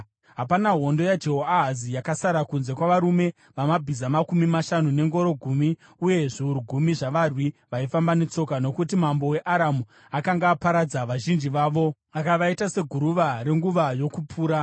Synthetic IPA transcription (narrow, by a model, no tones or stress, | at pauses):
ɦapanaɦo̞ndo̞jad͡ʒeɦoaɦazijakasaɾakunze̞kwaʋaɾume̞ | ʋamabʱizamakumimaʃanune̞ŋɡo̞ɾo̞ɡʱumi | uje̞ʐiɦuɾuɡʱumiʐaʋarwiʋaifambane̞t͡so̞kano̞kutimambo̞we̞ʔaɾamu | akaŋɡaːpaɾad͡zaʋaʒind͡ʒiʋaːʋo̞ | akaʋaitase̞ɡʱuɾuʋaɾe̞ŋɡuʋajo̞kupʰuːɾa